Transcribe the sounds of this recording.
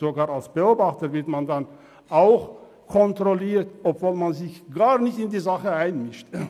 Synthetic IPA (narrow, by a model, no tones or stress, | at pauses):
z̥oɡaːɐalsb̥əoːbaχtəvɪɐtmandan | aʊx | kʰɔntʁoliːtɔpv̥oːlmanzɪçɡ̥aːnɪçtɪndiːzaχəaɪnmɪʃt